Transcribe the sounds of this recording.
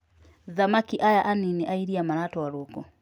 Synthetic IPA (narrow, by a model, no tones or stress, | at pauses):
ðamakiʔajaʔaniniʔaiɾiamaɾatwɔaɾokɔ